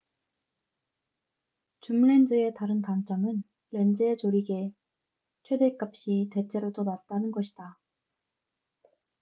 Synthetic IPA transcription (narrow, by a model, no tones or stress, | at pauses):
t͡ɕumɭe̞nd͡ʑɯe̞taɾɯnkant͡ɕ͈amɯnː | e̞nd͡ʑɯet͡ɕoɾiɡe̞ | t͡ɕʰwe̞de̞k͈ap̚ɕ͈ite̞t͡ɕʰe̞ɾodonat̚t͈anɯnɡʌɕʰi̥da